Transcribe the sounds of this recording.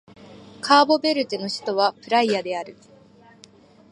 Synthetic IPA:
kʰaːbo̞be̞ɾɯ̟t̪eno̞ɕi̥t̪o̞β̞apɯ̟ɾaiad̪e̞aɾɯ̟

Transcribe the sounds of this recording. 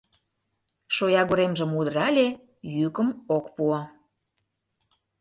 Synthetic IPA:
ʃojɑɣoɾemʒə̆mud̪ɾɑlʲe | jykə̆mokpuo

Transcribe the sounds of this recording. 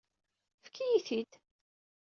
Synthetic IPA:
fkːijiθid̪

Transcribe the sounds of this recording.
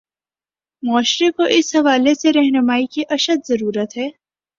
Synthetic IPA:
mɔːʃɾekoʔɪsɦɐʋaːleseɾɛɦnʊmaːikiʔɐʃəd̪zɐɾuːɾət̪ɦɛː

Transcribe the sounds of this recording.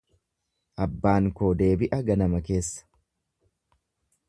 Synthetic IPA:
ʔɐbːaːŋkoːd̪e̞ːbɪʔɐɡɐnɐmɐke̞ːsːɐ̥

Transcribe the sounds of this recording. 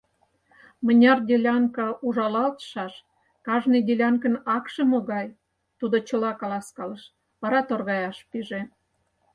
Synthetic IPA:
mə̆nʲɑrd̪ʲelʲɑŋkɑʔuʒɑlɑlt̪ə̥ʃɑʃ | kɑʒnid̪ʲelʲɑŋkə̆nɑkʃə̆moɣɑj | t̪ud̪ot͡ɕə̆lɑkɑlɑskɑləʃ | βɑɾɑt̪orɣɑjɑʃpiʒe

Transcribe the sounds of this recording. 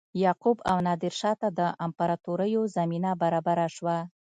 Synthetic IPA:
jɑqubawnɑd̪ɪɾʃɑt̪ad̪əʔampaɾɑt̪oɾəjozaminabaɾɑbaɾaʃwa

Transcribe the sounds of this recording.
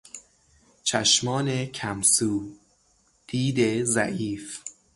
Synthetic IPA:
t͡ʃʰæʃmɒːnekʰæmsuː | d̪̥iːd̪ezæʔiːf

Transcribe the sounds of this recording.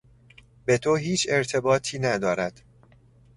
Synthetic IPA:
be̞t̪ʰoɦiːt͡ʃʰe̞ɾt̪ʰe̞bɒːt̪ʰiːnæd̪ɒːɾæd̪̥

